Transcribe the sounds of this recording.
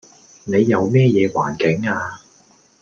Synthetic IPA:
ne˨˧jːɐ˨˧wmɛː˥jɛː˨˧wa̰ː˨˩nkɪ˨˥ŋaː˧

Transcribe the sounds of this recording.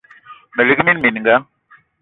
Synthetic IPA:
me˨li˦ki˦mi˦nmi˨ni˨ŋɡa˦

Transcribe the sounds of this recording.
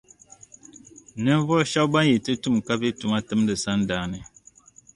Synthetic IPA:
nə˦vɔ˦ʃa˦wba˦ji˨ti˦tu˦˨mka˦bi˦tu˨ma˦tə˦mdə˨sa˦nda˨ni˨

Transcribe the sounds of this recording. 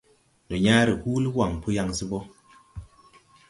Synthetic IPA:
nɔ˨ɲaː˦ɾi˨huː˦li˦wa˨ŋpu˦ja˦ŋsi˦bɔ˦

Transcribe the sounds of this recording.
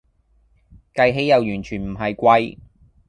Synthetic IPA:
kɐ˧jɦe˨˥jːɐ˨˧wjyː˨˩nt͡ʃʰyː˨˩nm̩˨˩ɦɐ˨jkʷɐ˧j

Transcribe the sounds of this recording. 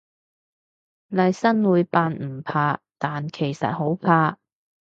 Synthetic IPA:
lɐ˨jsɐ˥nwuː˨˧jpaː˧nm̩˨˩pʰaː˧t̪aː˨nkʰe˨˩jsɐ̰˨t̚ho˨˥wpʰaː˧

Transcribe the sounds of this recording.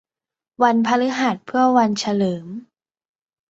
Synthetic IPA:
wa˧npʰa˧lɯ˦˥ɦa˨˩t̪̚pʰɯ˥˩ɐwa˧nt͡ɕʰa˧lɤː˩˦m

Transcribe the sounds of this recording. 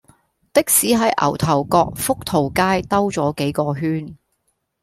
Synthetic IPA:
t̪ɪ˥k̚siː˨˥ɦɐ˨jʔɐ̰˨˩wt̪ʰɐ˨˩wkɔː˧k̚fʊ˥k̚t̪ʰo˨˩wkaː˥jt̪ɐ˥wt͡sɔː˨˥ke˨˥jkɔː˧ɦyː˥n

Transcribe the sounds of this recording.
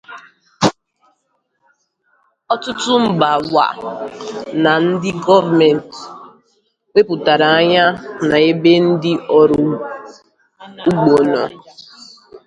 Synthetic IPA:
ɔ˦tʊ˦tʊ˦m̩˦ba˨wa̰˨ | na˨n̩˦dɪ˦ɡɔ˦va˨mɛ˨n˨t | we˦pʊ˨ta˨ɾa˨a˦ɲa˦na˨e˦be˦n̩˦dɪ˦ʔɔ˨ɾʊ˨ | u˦ɡ͡bo˨nɔ˨

